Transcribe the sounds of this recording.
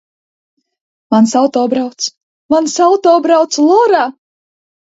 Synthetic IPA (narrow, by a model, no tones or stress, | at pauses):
mansawt̪ɔːbɾawt̪s | mansawt̪ɔːbɾawt̪slˠɔɾaː